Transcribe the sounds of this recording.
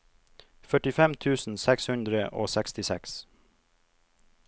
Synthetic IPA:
fœʈɪfɛmt̪ʰʉːsn̩sɛkshʉnd̪ɾəʔo̰ːsɛkst̪ɪsɛks

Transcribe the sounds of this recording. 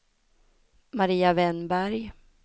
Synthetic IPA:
maɾiːavɛnbæɾj

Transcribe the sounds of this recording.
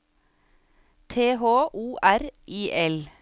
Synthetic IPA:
t̪ʰeːɦoːʔuːʔæɾʔiːʔɛl

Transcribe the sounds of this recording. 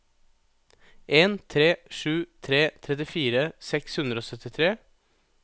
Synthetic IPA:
ʔeːnt̪ʰɾeːʂʉːt̪ʰɾeːt̪ʰɾɛt̪ɪfiːɾəsɛkshʉnd̪ɾəoːsœt̪ɪt̪ʰɾeː

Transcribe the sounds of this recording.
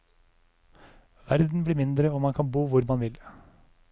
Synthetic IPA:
ʋæ̰ɾd̪n̩bliːmɪnd̪ɾəoːmɑnkʰɑnbuːʋʊɾmɑnʋɪl

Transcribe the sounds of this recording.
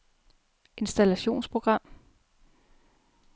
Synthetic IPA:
ʔe̝nsd̥ælæɕo̝̰ːnspʰʁo̝ɡ̥ʁɑ̈m̰

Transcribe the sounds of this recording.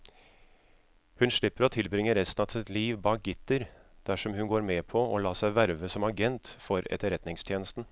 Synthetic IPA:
hʉnʂɭɪpːəɾɔt̪ʰɪlbɾɪŋːəɾɛst̪n̩ɑsɪt̪liːʋbɑːk̚ɡʏt̪ːəɾd̪̥æʂɔmhʉnɡoːɾmeːpʰɔɔlɑːsæɪʋæɾʋəsɔmɑɡɛnt̪fɔɾɛ̰t̪əɾɛt̪nɪŋst̪ʰjeːnəst̪n̩

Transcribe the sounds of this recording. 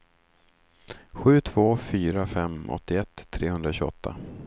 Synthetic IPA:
ɧʉ̟ːt̪ʰv̥oːfyːɾafɛmɔ̰t̪ːɪɛt̪ʰːɾeːhɵnd̪ɾaɕɵɔ̰t̪ʰːa̰

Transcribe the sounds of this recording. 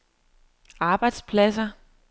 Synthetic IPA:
ɑ̈ːb̥ɑ̈ɪd̥spʰlæsɐ

